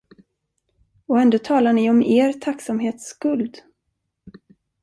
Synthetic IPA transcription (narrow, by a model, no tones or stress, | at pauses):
ɔɛnd̪ot̪ʰɑːlaɳɪɔmeːɾt̪ʰaksamɦeːt̪skɵld̪